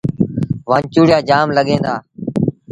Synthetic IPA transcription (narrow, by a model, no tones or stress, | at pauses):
ʋãːnt͡ʃuːɽjaːd͡ʒaːmləɠẽːnd̪aː